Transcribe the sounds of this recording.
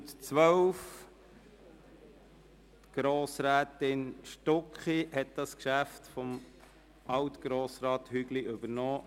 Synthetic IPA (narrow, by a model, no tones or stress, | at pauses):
tt͡sʋœwf | tɡ̥ɾoːsɾæːt̪ɪnʃtɔkχihɛt̚d̥ɑskʃæftfɔm | ʔɑwt̪ɡ̥ɾoːsɾɑːt̪hyɡliɵb̥əɾnɔː